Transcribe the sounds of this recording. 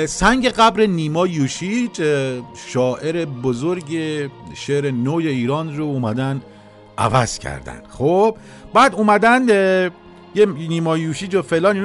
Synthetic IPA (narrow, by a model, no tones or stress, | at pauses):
sæŋɟeɣæbɾeniːmɒːjuːʃid͡ʒʃɒːʔe̞ɾe̞bozoɾɟeʃeɾenoːje̞iːɾɒːnrouːmæd̪æn | ʔæ̰væz̥cʰæ̰ɾd̪æ̰nd̪̥xob̥ | bæːd̪uːmæd̪æn | jeniːmɒːjuːʃiːd͡ʒofelɒːniːn